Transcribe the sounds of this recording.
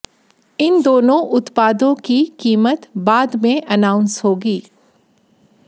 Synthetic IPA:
ɪnd̪oːnõʔʊt̪paːd̪õkikiːmət̪baːd̪mẽʔɐnaːʊ̃nsɦoːɡiː

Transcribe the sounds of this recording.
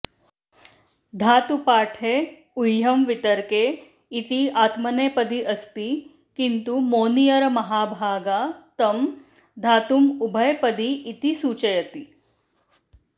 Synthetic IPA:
d̪ʱaːt̪upaːʈʰe | ujːɐmʋit̪əɾkeː | t̪iaːt̪mɐneːpəd̪iʔɐst̪i | kint̪umoːnijɐɾmɐɦaːbʱaːɡat̪ɐmd̪ʱaːt̪umubʱəjpəd̪iːt̪isuːt͡ʃəjɐt̪i

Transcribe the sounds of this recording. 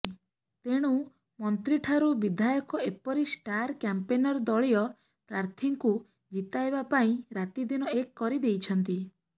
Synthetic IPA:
t̪eɽ̃u | mɔnt̪ɾiʈʰaɾubid̪ʱajɔkɔepɔɾisʈaɾkjampenɔɾɔd̪ɔɭijɔ | pɾaɾt̪ʰiŋku | d͡ʒit̪aebapaĩɾat̪id̪inɔekːɔɾid̪ejt͡ʃʰɔnt̪i

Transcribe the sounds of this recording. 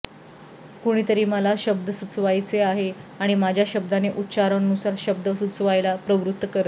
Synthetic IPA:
koɽ̃it̪əɾiːməlaɕəb̚d̪əsut͡sʋajt͡seaɦeaɽ̃imad͡ʑʱjaɕəb̚d̪aneʔutːɕaɾənənusaɾɕəb̚d̪əsut͡sʋajlapɾəʋɾut̪ːəkəɾt̪

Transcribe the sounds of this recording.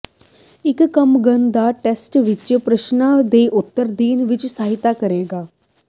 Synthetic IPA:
ɪkkəmɡənd̪aʈesʈʋɪt͡ʃəpɾəʃnad̪eʔut̪ːəɾd̪iːnʋɪt͡ʃsaɦit̪akəɾeːɡaː

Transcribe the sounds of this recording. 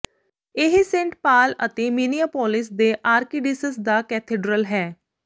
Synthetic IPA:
ɪɦsẽɳʈpaːlə̰t̪eːminijaːpɔːlɪs̬d̪eːʔaːɾkiːɖɪsəsd̪aːkɛːt̪ʰeːɖɾəlɦɛː

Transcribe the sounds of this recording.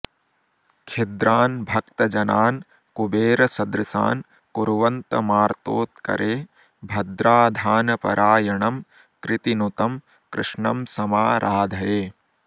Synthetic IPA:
kʰed̪ɾaːnbʱɐk̚t̪ɐd͡ʒɐnaːn | kubeːɾɐsɐd̪ɾɨsa̰ːn | kuɾʋɐnt̪ɐmaːɾt̪oːt̪̚kɐ̰ɾʔeː | bʱɐd̪ɾaːd̪ʱaːnɐpɐ̰ɾʔaːjɐɳɐm | kɾɪt̪inut̪ɐm | kɾɪʂɳɐmsɐmaːɾʔaːd̪ʱɐjeː

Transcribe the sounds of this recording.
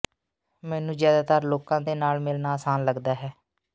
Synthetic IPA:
mɛ̃ːnũːzjaːd̪aːt̪əɾloːkãːd̪eːnaːlmɪlnaːsaːnləɡd̪aːɦɛː

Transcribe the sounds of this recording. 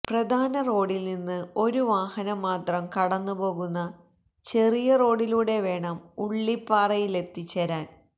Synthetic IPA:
prɐd̪ʱaːnɐro̞ːɽilninːɨo̞ɾuʋaːhɐnɐmːaːt̪rɐmkɐɽɐnːupo̞ːɣunːɐ | t͡ɕe̞rijɐro̞ːɽiluːɽe̞ʋe̞ːɳɐmuɭːipːaːrɐjile̞t̪ːit͡ɕːɐɾaːn

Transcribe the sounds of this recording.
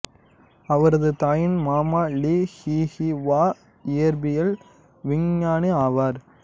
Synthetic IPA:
ɐʋɐɾɐðɯt̪aːjɪnmaːmaːliːhihiʋaː | ɪjɐɾbɪjɐl | ʋɪɲjaːniaːʋaːɾ

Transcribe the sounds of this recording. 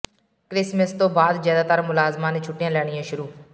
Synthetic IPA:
kɾɪsməst̪õːbaːd̪zjaːd̪aːt̪əɾmʊlaːzmãːnẽːt͡ʃʰʊʈːɪjãːlɛːɽ̃ɪjãːʃʊɾuː

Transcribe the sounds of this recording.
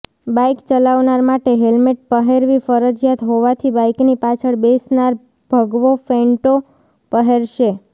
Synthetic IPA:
bajkt͡ʃəlaʋnaɾmaʈeɦelmeʈ̚pəɦeɾʋifəɾəd͡ʒjat̪ɦoʋat̪ʰibajknipat͡ʃʰəɭbesnaɾ | b̥ʱəɡʋofeɳʈo | pəɦeɾʃe

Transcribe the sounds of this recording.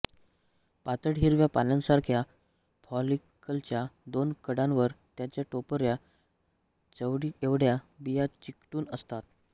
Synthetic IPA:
pat̪əɽɦiɾʋjapalãnsaɾkʰja | bɔlikəlt͡ɕjad̪onkəɽãnʋəɾt̪jat͡ɕjaʈopəɾja | t͡səʋɽieʋɽjabijat͡ɕikʈuːnəst̪at̪̚

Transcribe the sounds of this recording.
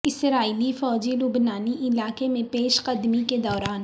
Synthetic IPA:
ɪsɾaːiːlifɔːd͡ʒilʊbnaːniʔɪlaːkemẽpeːʃqɐd̪miked̪ɔːɾaːn

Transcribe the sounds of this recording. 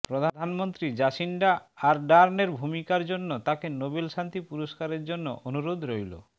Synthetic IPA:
pɾod̪ʱad̪ʱanmont̪ɾid͡ʑaʃiɳɖaaɾɖaɾneɾbʱumikaɾd͡ʑonːot̪akenobelʃant̪ipuɾoʃkaɾeɾd͡ʑonːo̰ʔonuɾod̪ʱɾojlo̰

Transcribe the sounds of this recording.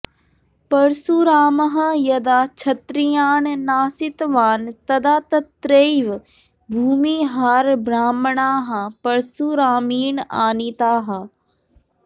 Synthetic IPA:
pɐɾsuɾaːmɐɦɐ̃jɐd̪aːt͡ʃʰɐt̪ɾijaːnnaːsɪt̪ʋaːnt̪ɐd̪aːt̪ɐt̪ɾeːjʋ | bʱuːmiːɦaːɾbɾaːmɳaːɦɐpɐɾsuɾaːmiːna̰ːnit̪aːɦɐ

